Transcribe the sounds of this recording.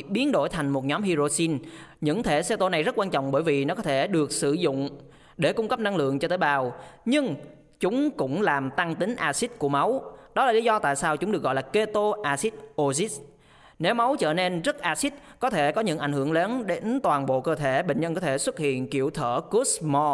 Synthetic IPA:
ɓi˨˦ənɗo̰˧˩jt̪ʰa˨˩jŋ̟mo˨˩t̚ɲɔ˨˦mɦi˧zo˧si˧nɲɨ̰˧˥ŋt̪ʰe˧˩se˧t̪o˧na˨˩jzə˦˥t̚kwaː˧nt͡ɕɔ̰˧˨wŋ͡mɓəː˧˩jvi˨˩nɔ˨˦kɔ˨˦t̪ʰe˧˩ɗɨ˨˩ək̚sɨ˧˩zʊ̰˧˨ŋ͡m | ɗe˧˩kʊ˧ŋ͡mkə˦˥p̚na˧ŋlɨ̰˧˨əŋt͡ɕɔ˧t̪əː˨˦jɓaː˨˩wɲɨ˧ŋ | t͡ɕʊ˨˦ŋ͡mkʊ̰˧˥ŋ͡mlaː˨˩mt̪a˧ŋt̪ï˨˦ŋ̟ʔaː˧si˦˥t̚ku˧˩əma˨˦wɗɔ˨˦laː˨˩li˨˦zɔ˧t̪a̰ː˧˨jsaː˧wt͡ɕʊ˨˦ŋ͡mɗɨ˨˩ək̚ɣɔ̰˨laː˨˩ke˧t̪o˧ʔaː˧si˦˥t̚ʔo˧zi˦˥t̚ | ne˨˦wma˨˦wt͡ɕə̰ː˧˨ne˧nzə˦˥t̚ʔaː˧si˦˥t̚kɔ˨˦t̪ʰe˧˩kɔ˨˦ɲɨ̰˧˥ŋʔa˧˩jŋhɨ˧˩əŋləː˨˦nɗe˨˦nt̪waː˨˩nɓo̰˧˨kəː˧t̪ʰe˧˩ɓḛ˧˨ŋ̟ɲə˧nkɔ˨˦t̪ʰe˧˩swə˦˥t̚hḭ˧˨ənki˧˩əwt̪ʰəː˧˩ku˦˥smɔ˧

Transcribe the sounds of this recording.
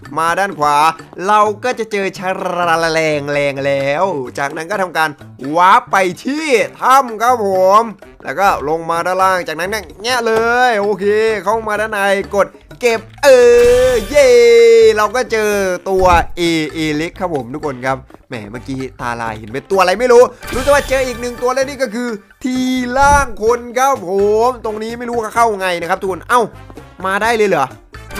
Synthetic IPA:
maː˧daː˥˩nkʰwaː˩˦ | ɾa˧wkɔː˥˩t͡ɕa˨˩ʔt͡ɕɤː˧t͡ɕʰa˦˧˥ɾɾa˧la˧lɛː˧ŋlɛː˧ŋlɛː˦˥wt͡ɕaː˨˩k̚na˦˥nkɔː˥˩t̪ʰa˧mkaː˧n | waː˦˥pːa˧jt̪ʰiː˥˩t̪ʰa˧˥˩mkʰa˦˥p̚ʰːo˨˩˦m | lɛ̰ː˦˥˩wkɔː˥˩lo˧ŋmaː˧daː˥˩nlaː˥˩ŋt͡ɕaː˨˩k̚na˦˥nka˥˩ŋɛ˦˥˩lɤː˧jʔoː˧kʰeː˧kʰa˥˩maː˧daː˥˩nʔa˧jko˨˩t̪̚ke˨˩p̚ʔɤː˧je˥˩ɾa˧wkɔː˥˩t͡ɕɤː˧t̪u˧ɐʔeː˧ʔeː˧le˦˥kʰːa˦˥pʰːo˩˦mt̪ʰu˦˥kʰo˧nkʰa˦˥p̚mɛ̰ː˨˩maː˧˩kiː˦˥t̪a̰ː˧la̰ː˧he˨˩˦npe˧nt̪u˧ɐa˧ɾa˧jma˥˩jɾuː˦˥ɾu˦˥aː˨˩waː˥˩t͡ɕɤː˧ʔiː˨˩k̚nɯ˨˩ŋt̪u˧laː˧˥˩niː˥˩kɔː˥˩kʰɯː˧ | t̪ʰiː˧laː˥˩ŋpʰo˧nkʰa˦˥p̚hʰo˨˩˦mt̪o˧ŋniː˦˥ma˥˩jɾu˦˥aː˧kʰa˥˩kʰa˥˩wŋa˧jna˦˥kʰa˦˥pt̪ʰu˦˥kʰo˧nʔa˧˩wmaː˧daː˥˩jlɤː˧jlɯ˩˦

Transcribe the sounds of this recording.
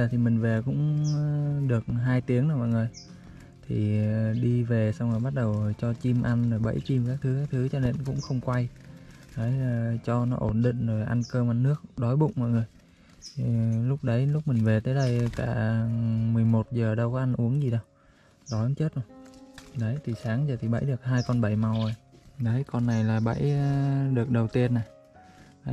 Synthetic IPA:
əː˨˩t̪ʰi˨˩mï˨˩ŋ̟ve˨˩kʊ̰˧˥ŋ͡m | ɗɨ˨˩ək̚ɦaː˧jt̪i˨˦əŋna˧˩mɔ̰˧˨jŋɨ˨˩əj | t̪ʰi˨˩ɗi˧ve˨˩sa˧wŋ͡mhoː˨˩jɓa˦˥t̚ɗə˨˩wt͡ɕɔ˧t͡ɕi˧mʔa˧nzo˨˩jɓə̰˧˩jt͡ɕi˧mkaː˦˥k̚t̪ʰɨ˨˦kaː˦˥k̚t̪ʰɨ˨˦t͡ɕɔ˧ne˧nkʊ̰˧˥ŋ͡mxə˧wŋ͡mkwa˧j | ɗə˨˦jt͡ɕɔ˧nɔ˨˦ʔo˧˩nɗḭ̈˧˨ŋ̟zo˨˩jʔa˧nkəː˧mʔa˧nːɨ˦˥ək̚ɗɔ˨˦jɓʊ̰˧˨ŋ͡mmɔ̰˧˨jŋɨ˨˩əjʰ | i˨˩lʊ˦˥k͡p̚ɗə˨˦jlʊ˦˥k͡p̚mï˨˩ŋ̟ve˨˩t̪əː˨˦jɗə˧jkaː˧˩ | mɨ˨˩əjmo˨˩t̚zəː˨˩ɗə˧wkɔ˨˦ʔa˧ŋʔu˨˦əŋzi˨˩ɗə˧w | ɗɔ˨˦ja˧˦ŋt͡ɕe˦˥t̚zo˧˩ɗə˨˦jt̪ʰi˨˩saː˨˦ŋzəː˨˩t̪ʰi˨˩ɓə̰˧˥jɗɨ˨˩ək̚ɦaː˧jkɔ˧nɓə˧˩jma˧wʔə˧˩jɗə˨˦jkɔ˧nːa˨˩jlaː˨˩ɓə̰˧˥jɗɨ˨˩ək̚ɗə˨˩wt̪i˧ənːa˨˩j

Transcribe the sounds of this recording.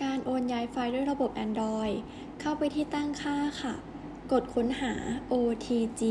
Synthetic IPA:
kaː˧nʔoː˧njaː˧˥jfaː˧jdu˥˩əjɾa˧bo˨˩p̚ʔɛ˧ndɔː˧j | kʰa˥˩wpa˧jt̪ʰiː˥˩t̪a˥˩ŋkʰaː˥˩kʰa˧˥˩ | ko˨˩t̪̚kʰo˨˦˥nɦaː˩˦ʔoː˧t̪ʰiː˧t͡ɕiː˧

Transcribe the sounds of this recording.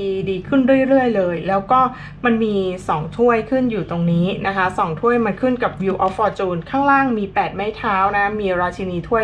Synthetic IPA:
iː˧diː˧kʰɯ˥˩nɾu˥˩ə˧jɾɯ˥˩əjlɤː˧jlɛː˦˥wkɔː˥˩ | ma˧nmiː˧sɔː˩˦ŋt̪ʰu˥˩əjkʰɯ˥˩njuː˨˩t̪o˧ŋniiː˦˥na˦˥kʰa˦˥sɔː˨˩˦ŋt̪ʰu˥˩əjma˧nkʰɯ˥˩nka˨˩p̚wiː˧wʔɔː˧˥fɔː˧t͡ɕuː˧nkʰaː˥˩ŋlaː˥˩ŋmiː˧pɛː˨˩t̪̚ma˥˩jt̪ʰaː˦˥wna˦˥kʰa˦˥miː˧ɾaː˧t͡ɕʰi˧niː˧t̪ʰu˥˩əj

